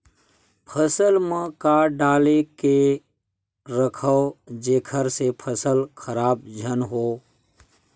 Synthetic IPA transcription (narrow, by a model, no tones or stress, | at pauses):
pʰəsəlmə̃kaːɖaːleke | ɾəkʰəd͡ʒeːkʰəɾsepʰəsəlkʰəɾaːbd͡ʒʱənɦoː